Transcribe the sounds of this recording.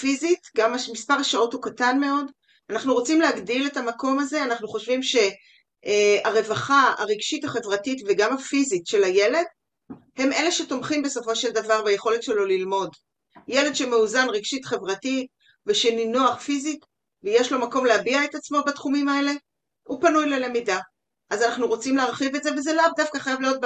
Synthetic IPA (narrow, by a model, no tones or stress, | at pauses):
fizitɡamamispaʁaʃaothukatanme̞o̞d | anaχnuʁo̞t͡simlehaɡdile̞tamako̞maze̞anaχnuχo̞ʃvimʃe̞ | aʁe̞vaχaa̰ʁiɡʃitaχe̞vʁatitveɡamafizitʃe̞laje̞le̞d | he̞me̞le̞ʃe̞to̞mχimbe̞so̞fo̞ʃe̞ldavaʁbaje̞χo̞le̞tʃe̞lo̞lilmo̞d | jele̞dʃemeuzanʁiɡʃitχe̞vʁatit | veʃeninoaχfizit | vejeʃlo̞mako̞mleabiaetat͡smo̞batχumimae̞le̞ | upanujlelemida | ʔazanaχnuʁo̞t͡simleaʁχivetzevezelavdafkaχajavlijo̞t̚b